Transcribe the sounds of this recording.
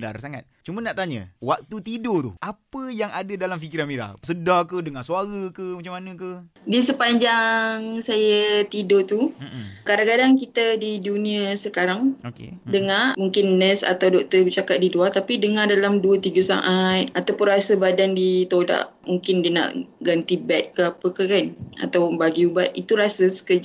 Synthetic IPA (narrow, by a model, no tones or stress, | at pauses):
da̰rsaŋa̰t̪̚t͡ʃumənaʔt̪aɲə̰wak̚t̪ut̪idot̪ṵʔapəjaŋadadalamfikiɾanmiɾa̰hsədakədəŋasuaɾəkəmat͡ʃamːanə̃kə | disəpaɲd͡ʒaŋsajət̪idot̪ukadaŋkadaŋkit̪ədidunĩasəkaɾaŋkḛdəŋamuŋkɪnːɛsa̰t̪awdɔk̚t̪əbət͡ʃakat̪̚diduat̪apidəŋadalamduət̪iɡəsa̰ʔat̪̚at̪awpʊnrasəbadandit̪oda̰ʔmuŋkɪndiəna̰ʔɡant̪ibɛt̪̚kəapəkəkana̰t̪awnbaɡiubat̪̚it̪uɾasəsə̥kəd͡ʒ